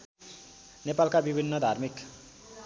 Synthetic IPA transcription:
nepalkabibʱinːʌd̪ʱarmik

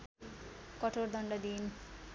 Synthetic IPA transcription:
kʌʈʰord̪ʱʌɳɖʌd̪in

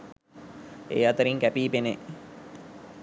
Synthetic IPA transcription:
ḛːat̪əɾiŋkæpiːpene

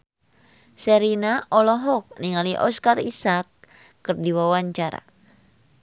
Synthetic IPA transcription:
sɛɾinaʔɔlɔɦɔk̚niŋaliʔɔ̰skarisakː | ɨrdiwawaɲt͡ʃaɾa̰

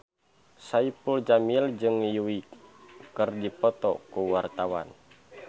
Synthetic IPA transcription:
saipuld͡ʒamild͡ʒɨŋjuwikkɨrdipɔt̪ɔkuwart̪awa̰n

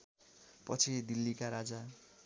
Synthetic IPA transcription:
pʌt͡sʰid̪ilːikaɾad͡za

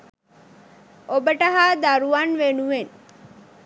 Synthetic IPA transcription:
obəʈəɦaːd̪aɾuʋanʋenuʋen

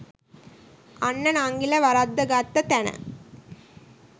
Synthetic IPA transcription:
ɐnːɐnaŋɡilɐʋɐɾɐd̪ːɐɡat̪ːɐt̪ɐnɐ̰

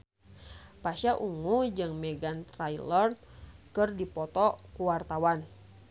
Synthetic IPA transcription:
paʃaʔuŋud͡ʒɨŋmɛɡant̪ɾajlɔrkɨrdipɔt̪ɔkuwart̪awan

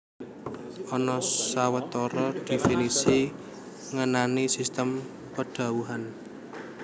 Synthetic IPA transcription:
ɔnɔsawət̪ɔɾɔd̪̥e̤finisi | ŋənanisist̪əm | pəɖ̥a̤wuɦan

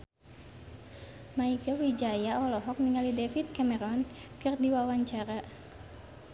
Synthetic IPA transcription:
maiɡawid͡ʒajaɔlɔɦɔk̚niŋalidɛfit̪̚kamɛɾɔnkɨrdiwawaɲt͡ʃaɾa

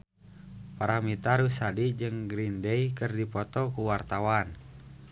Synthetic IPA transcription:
paɾamit̪aɾusadid͡ʒɨŋɡɾindɛjkərdipɔt̪ɔkuwart̪awan

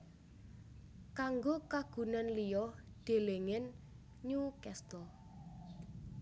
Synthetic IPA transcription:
kaŋɡokaɡ̥ṳnanlijɔd̪̥e̤leŋɪn | ɲukɛst̪ɔl

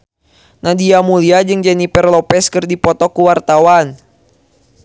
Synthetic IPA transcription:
nadiamuliad͡ʒɨŋd͡ʒɛnipɛrlɔpɛskɨrdipɔt̪ɔkuwart̪awan

